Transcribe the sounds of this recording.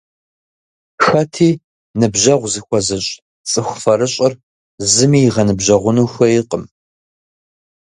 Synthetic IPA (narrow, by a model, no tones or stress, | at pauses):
xɐtʰiː | nɨbʑɐʁʷzɨxʷɔzɨɕʼ | t͡sʼɨxʷfɐɾɨɕʼɪr | zɨmiːjʁɐnɨbʒɐʁʷʊnuːxʷɐjɪqʼəm